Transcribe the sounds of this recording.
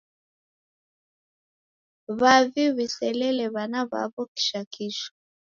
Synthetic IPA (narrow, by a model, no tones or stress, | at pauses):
βaviβisɛlɛlɛβanaβa̰βɔki̥ʃakʰiʃɔ̥